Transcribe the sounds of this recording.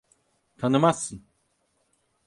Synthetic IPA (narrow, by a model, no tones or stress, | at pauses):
t̪ʰanɯmasːɯn